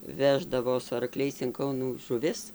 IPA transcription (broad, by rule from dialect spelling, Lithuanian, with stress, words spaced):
ˈʋʲæːʒdɐʋoː sʊ ɐrˈklʲɛɪs ɪn ˈkɐʊnuː ʒʊˈʋʲɪs